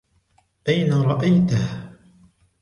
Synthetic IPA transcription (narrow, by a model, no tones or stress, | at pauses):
ʔajnaɾˤɑʔajt̪ah